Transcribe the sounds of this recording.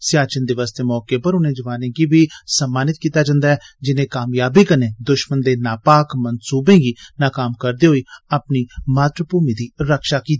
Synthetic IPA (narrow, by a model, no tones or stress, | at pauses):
sɪjaːt͡ʃənd̪eːʋaːst̪eːmɔːkeːpəɾʊnẽːd͡ʒəʋaːnẽːɡiːbiːsəmːaːnɪt̪̚kiːt̪aːd͡ʒãːnd̪aːɛːd͡ʒɪnẽːkaːmjaːbiːkənẽːd̪ʊʃmənd̪eːnaːpaːkmənsuːbẽːɡiːnaːkaːmkəɾd̪eːɦoːiːaːpniːmaːt̪ɾəpuːmiːd̪iːɾəkʃaːkiːt̪i